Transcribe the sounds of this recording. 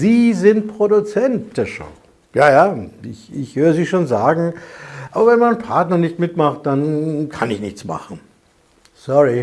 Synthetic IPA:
ziːzɪnt̚pʁ̥odut͡sɛnt̚d̥eːɐʃo̰ʊ | jaːjaːɪçɪçhøːʁəziːʃoːnzaːɡŋ̩ʔaːbɐvɛnmaɪnpʰaɐtnɐnɪçtmɪtmaχt̚d̥ankʰanɪçnɪçt͡sma̰χn̩ | sɔʁi

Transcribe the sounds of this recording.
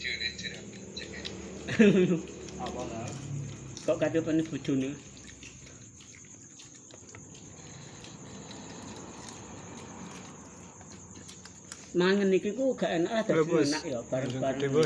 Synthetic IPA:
kɔʔkat̪epənib̥ṳ̥t͡ʃ̪o̤ne | maŋənikikuɡ̥a̤ʔenaʔlahd̪̥a̤enaʔjɔb̥aɾəŋb̥aɾə

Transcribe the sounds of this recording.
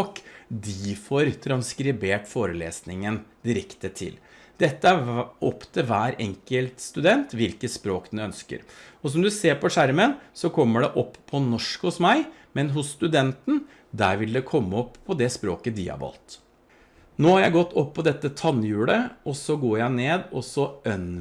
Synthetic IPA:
kd̪ɪfɔɾt̪ʰɾɑnskɾɪbeːʈfoːɾəlḛːsnɪŋənd̪ɪɾɛkt̪ət̪ʰɪ̰l | d̪̥ɛt̪ːəæɾɔpːt̪ʰɪlʋæːɾɛŋkəlt̪st̪ʉd̪ɛnt̪ʋɪlkət̪spɾoːkd̪ɛnœnskə̰ɾɔs̬ɔmd̪ʉseːɾpʰɔʂæɾmənsɔkʰɔmːəɖɛʔɔpːʰɔnɔʂkhʊsmæɪmɛnɦʊsːt̪ʉd̪ɛnt̪n̩ | d̪æːɾʋɪld̪ɛkʰɔmːəɔpʰːɔd̪ɛspɾoːkəd̪ḭːɑ̰bɔ̰lt̪ | noːhɑɾjæɪɡɔt̪ːɔpːɔd̪ɛt̪ːət̪ʰɑnjʉːləɔsɔɡoːjæɪneːd̪ɔsɔœn

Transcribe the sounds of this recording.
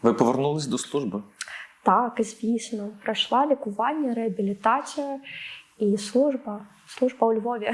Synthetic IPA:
ʋɨpɔʋʲɛrnulˠɐsʲd̪ɔslˠuʐbɨt̪akzʲvʲisʲnɐpɾɐjʂlˠalʲikʊvanʲːɐɾɛɐbʲilʲit̪at̪sɨjɐ | islˠuʐbɐ | slˠuʐbɐwlʲvɔvʲɛ

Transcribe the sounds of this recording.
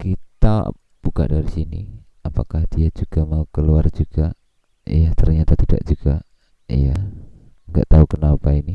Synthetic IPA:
kit̪a̰ | b̥uka̰ʔdaɾisinḭ | apakahdiad͡ʒuɡ̥amaukəluard͡ʒuɡ̥a | ḭjat̪ərɲat̪at̪ida̰ʔd͡ʒuɡ̥a | ja | əŋɡa̰ʔt̪aukənapaini

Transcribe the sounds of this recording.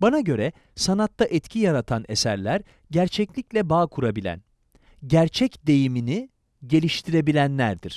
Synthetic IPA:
banaɟø̞ɾɛ | sanat̪ːaʔɛt̪cʰijaɾat̪ʰanḛsæɾlʲæɾ | ɟæɾt͡ʃʰɛclʲiclʲɛbaːkʰuɾabilʲæ̰n | ɟæɾt͡ʃʰɛcd̪e̞jimini | ɟe̞lʲiʃt̪ʰiɾe̞bilʲænlʲæɾd̪iɾ̥

